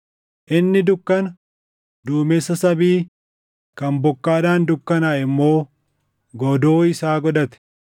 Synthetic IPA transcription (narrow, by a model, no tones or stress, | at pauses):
ʔɪnːɪd̪ʊkːɐnɐ | d̪uːmɛsːɐsɐbiː | kɐnbɔkːaːd̪aːnd̪ʊkːɐnaːʔɪmːo̞ː | ɡɔd̪o̞ːɪsaːɡɔᶑɐt̪ɛ̥